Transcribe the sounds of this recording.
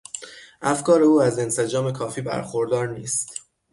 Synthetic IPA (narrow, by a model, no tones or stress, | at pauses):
ʔæfkɒːɾe̞uːæze̞nse̞d͡ʒɒːme̞kʰɒːfiːbæ̰ɾxoɾd̪ɒːɾniːst̪